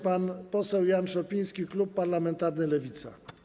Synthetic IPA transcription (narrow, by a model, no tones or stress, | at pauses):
panpɔsɛwjanʂɔpʲij̃skʲiklupːaɾlamɛnt̪aɾnɘlɛvʲit̪sa̰